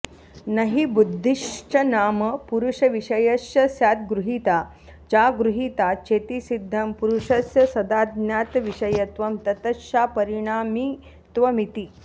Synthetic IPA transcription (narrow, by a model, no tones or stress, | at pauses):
nɐɦibud̪ʱːiʂt͡ʃɐnaːmɐpuɾuʂɐʋiʂɐjɐsjɐsjaːt̪̚ɡɾuɦit̪a | t͡ʃaɡɾuɦit̪at͡ʃʰeːt̪isid̪ʱːɐmpuɾuʂɐsjɐsɐd̪aːd̪njaːt̪ʋiʂɐjɐt̪ʋɐmt̪ɐt̪ɐʃjapɐɾiɳ̃aːmi | t̪ʋɐmit̪i